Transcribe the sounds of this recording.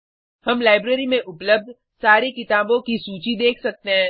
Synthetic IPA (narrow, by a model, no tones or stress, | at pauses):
hɐmlaːɪbɾeːɾimẽʔʊpləb̚d̪ʱ | saːɾekɪt̪aːbõkisuːt͡ʃid̪eːkʰsɐk̚t̪eɦɛ̃ː